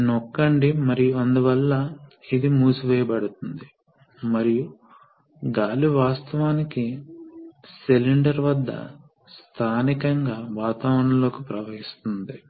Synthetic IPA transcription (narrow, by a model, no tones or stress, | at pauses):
nokːɐɳɖimɐɾijuɐnd̪uʋɐlːɐid̪imuːsuʋɛːjɐbɐɽut̪und̪i | mɐɾiju | ɡaːliʋaːst̪ɐʋaːniki | seliɳɖɐɾʋɐd̪ːɐ̰ | st̪ʰaːnikɐŋɡaːʋaːt̪aːʋɾɐɳɐlo̞ːkipɾɐʋɐɦist̪und̪i